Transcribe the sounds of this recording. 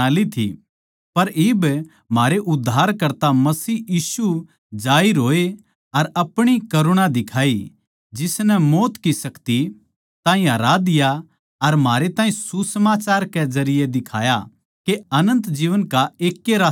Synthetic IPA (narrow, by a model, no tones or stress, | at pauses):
aːlit̪ʰḭ | pɐɾɪb | maːɾeʔʊd̪ʱːaːɾkɐɾt̪amɐsiːjiːsu | d͡ʒaːiɾoːe | ɐɾɐpɽ̃ikɐɾʊɽ̃ad̪ɪkʰaːi | d͡ʒɪsnɛmoːt̪kisɐkt̪i | t̪ãːɦĩɦɐɾad̪ɪja | ɐɾm̤aːɾet̪ãːĩsusəmaːt͡ʃaːɾkezɐɾɪjed̪ɪkʰaːja | keɐnə̃nt̪d͡ʒiːʋənkaeːkːeɾaː